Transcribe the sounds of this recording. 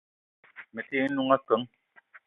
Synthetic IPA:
me˨te˦nu˦ŋa˦kə˨˦ŋ

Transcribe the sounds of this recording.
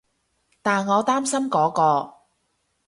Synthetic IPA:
t̪aː˨nŋɔː˨˧t̪aː˥msɐ˥mkɔː˨˥kɔː˧

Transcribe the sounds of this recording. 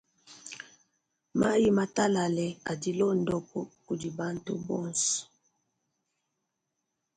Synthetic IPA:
ma˦ji˦ma˨ta˦la˨lɛ˨a̰˨di˨lɔ˦n˨dɔ˦kɔ˦ku˨di˨ba˦ntu˦bɔ˦nsɔ̥˨

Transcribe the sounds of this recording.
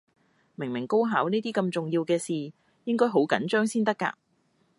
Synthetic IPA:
mɪ˨˩ŋmɪ˨˩ŋko˥wɦaː˨˥wniː˥t̪iː˥kɐ˧mt͡sʊ˨ŋjiː˧wkɛː˧siː˨ | jɪ˥ŋkɔː˥jɦo˨˥wkɐ˨˥nt͡ʃœː˥ŋsiː˥nt̪̬ɐ˥kːa̰ː˧

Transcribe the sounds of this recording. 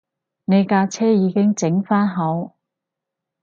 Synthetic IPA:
ne˨˧jkaː˧t͡sʰɛː˥jiː˨˧kɪ˥ŋt͡sɪ˨˥ŋfaː˥nɦɐ˨˥w

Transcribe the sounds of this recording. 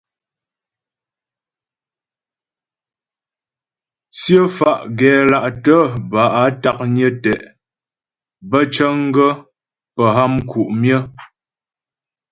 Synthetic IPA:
sjə˦fa˨ʔɡɛː˨˦la˨ʔtə˦ba˨ʔa˨˦ta˨k̚ɲə˦tɛ˨ʔ | bə˦t͡ʃə˦ŋ˦ɡə˦ | pə˨ɦa˦mkʰu˨ʔmjə˦

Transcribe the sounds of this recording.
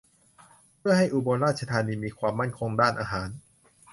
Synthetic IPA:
pʰɯ˥˩ɐha˥˩jʔuː˧bo˧nɾaː˥˩t̪̚t͡ɕʰa˧t̪ʰaː˧niː˧miː˧kʰwaː˧mːa˥˩nkʰo˧ŋdaː˥˩nʔaː˧ɦaː˩˦n

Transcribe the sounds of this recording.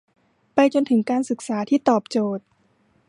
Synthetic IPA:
pa˧jt͡ɕo˧nt̪ʰɯ˩˦ŋkaː˧nsɯ˨˩k̚saː˩˦t̪ʰiː˥˩t̪ɔː˨˩p̚t͡ɕoː˨˩t̪̚

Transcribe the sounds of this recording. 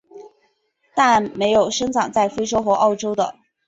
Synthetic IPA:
t̪a˥˩nme˧˥ɪjo˨˩ʊʂɤ˥ŋʈ͡ʂɑ˨˩ŋt͡sa˥˩ɪfe˥ɪʈ͡ʂo˥ʊxwɔ˧˥ʔɑ˥˩ʊʈ͡ʂo˥ʊd̪ə̰˨

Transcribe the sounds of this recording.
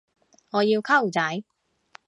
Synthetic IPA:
ŋɔː˨˧jiː˧wkʰɐ˥˩wt͡sɐ˨˥j

